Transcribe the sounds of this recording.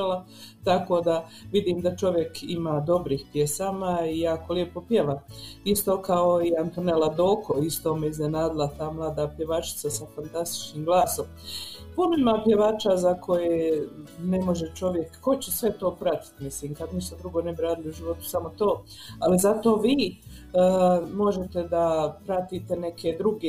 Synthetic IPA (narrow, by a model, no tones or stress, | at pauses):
ala | t̪ako̞ːd̪a | ʋid̪iːmd̪at͡ʃo̞ʋje̞kimaːd̪o̞bɾiːhpjesaːmaijaːkoljepopjeʋaist̪o̞ːkaoiant̪onelad̪oːkʰoist̪o̞ːmeiznenaːd̪ɪlˠat̪aːmlˠaːd̪aːpje̞ʋat͡ʃɪ̥t̪sasafant̪ast̪i̥t͡ʃniːmɡlˠaːso̞m | po̞memapje̞ʋaːt͡ʃazakʰo̞jenemo̞ʒe̞t͡ʃo̞ʋje̞kːo̞t͡ɕesʋe̞t̪o̞ːpɾat̪i̥t̪misliːmkad̪misod̪ɾuɡo̞ne̞bɾaːd̪ɪliuʒiʋo̞t̪u̥samo̞t̪oː | alizat̪o̞ːʋiː | mo̞ʒe̞t̪e̞d̪apɾat̪iːt̪ene̞kʰe̞d̪ɾuɡe